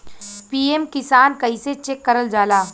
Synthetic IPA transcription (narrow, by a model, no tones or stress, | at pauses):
piːemkɪsaːnkɐɪset͡ʃekːɐɾəld͡ʒaːlaː